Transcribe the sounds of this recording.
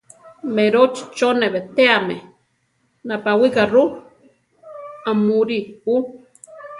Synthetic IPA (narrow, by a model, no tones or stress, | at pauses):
meɾot͡ʃt͡ʃoneβet̪eamḛ | napawikaru | amuɾiu